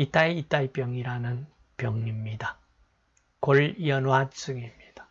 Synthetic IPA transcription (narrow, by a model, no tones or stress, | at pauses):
it͈aiit͈aip͈jʌŋiɾanɯn | pjʌŋɲimɲida | koɭjʌnwat͡ɕ͈ɯŋimɲid̥ḁ